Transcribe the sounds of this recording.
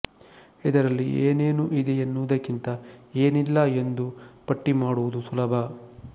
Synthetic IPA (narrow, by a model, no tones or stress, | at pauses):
id̪ɐɾɐlːiʔeːneːnuʔid̪ɛjɐnːuʋd̪ɐkːint̪ɐe̞ːnilːɐe̞nd̪upɐʈːimaːɽuʋud̪usulɐbʱɐ